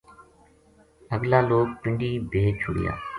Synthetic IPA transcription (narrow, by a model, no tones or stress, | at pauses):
əɡlaːloːk̚pɪ̃ɳɖiːbʱeːt͡ʃʰʊɽɪ̰ja̰ː